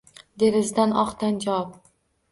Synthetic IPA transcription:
d̪e̞ɾɪzd̪anɒqt̪and͡ʒawɒp̚

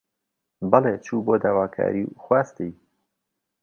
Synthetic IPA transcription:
bɑleːt͡ʃʰuːboːd̪aːwaːkʰa̰ːɾixwaːst̪ij

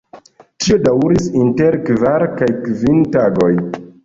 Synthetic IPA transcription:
tio̞dawɾisinteɾkvaɾkajkvintaɡo̞j

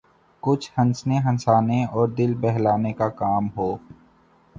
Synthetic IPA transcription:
kʊt͡ʃʰhɐ̃nsneɦɐ̃nsaːneɔːɾd̪ɪlbɛɦlaːnekakaːmɦoː

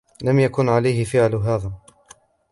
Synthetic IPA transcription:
lamjakʊnʕalajhɪfɪʕlɦaːðaː

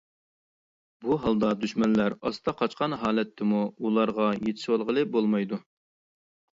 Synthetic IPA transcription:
buɦɑlˠd̪ɑd̪yʃmɛnlæɾɑst̪ʰɑqʰɑt͡ʃqʰɑnɦɑːlɛt̪ʰːɪmuulˠɑɾʁɑjet̪ʰɪ̥ʃwɑlˠʁəlˠɨbolˠmɑjd̪u

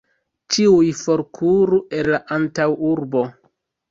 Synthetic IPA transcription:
t͡ʃiujfoɾkʰuɾuʔe̞nlaʔantawuɾbo

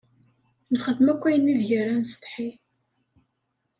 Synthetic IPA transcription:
nχəðːəmækʷːæjənːiðʝərɾænst̪ħi

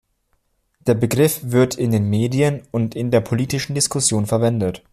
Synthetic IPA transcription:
d̥eːɐbəɡʁɪfv̥ɪɐtʰɪndeːnmeːdiənʊntɪndeːɐpʰoliːtɪʃn̩dɪskʰʊsjoːnfɛɐvɛndət

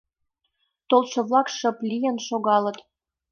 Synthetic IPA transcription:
t̪olʃɤ̆βlˠɑkʃə̆plʲijənʃoɣɑlə̆t̪

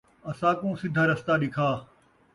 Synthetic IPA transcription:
ɐsãːkũːsɪd̪ʱaːɾɐst̪aːɗɪkʰaː

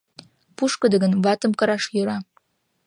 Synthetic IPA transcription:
puʃkəd̪ə̆ɡənβɑt̪ə̆mkɤ̆ɾɑʃjøɾɑ

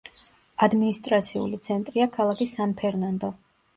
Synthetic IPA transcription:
ad̪minist̪ʼɾat̪sʰiṵlit̪sʰɛnt̪ʼɾiakʰalˠakʰisanpʰɛɾnand̪ɔ

